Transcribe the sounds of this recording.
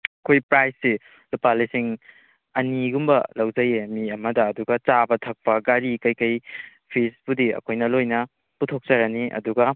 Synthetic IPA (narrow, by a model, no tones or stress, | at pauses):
ɐkʰojpɾajsːi | lupalisiŋ | ɐniɡumbɐlɐwzɐjemiɐmɐdɐːduɡɐt͡ʃabɐtʰɐk̚pɐɡaɾikɐjkɐj | pʰisbudiɐ̰kʰojnɐlojnɐ | putʰok̚t͡ʃɐɾɐniʔɐ̰duɡɐ